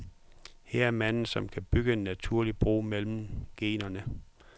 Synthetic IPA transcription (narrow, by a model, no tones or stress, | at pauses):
heɐ̰æɐmæn̰n̩sɒ̽mkʰæb̥yɡ̥əe̝nːæt͡sʰuɐlib̥ʁṵːmel̰m̩ɡ̥e̝̰ːnɐnə